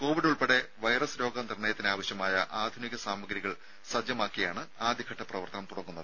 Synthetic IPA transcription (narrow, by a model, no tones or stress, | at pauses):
ko̞ːʋiɖuɭpeɽe̞ʋɐjrɐsɾo̞ːɡɐnirɳɐjɐt̪ːinaːʋɐɕjɐmaːjɐʔaːd̪ʱuniɣɐsaːmɐɡɾiɣɐɭ | sɐd͡ʑjɐmaːkːijaːɳɨaːd̪jɐkʰɐʈːɐprɐʋɐrt̪ɐnɐmt̪uɽɐkːunːɐðɨ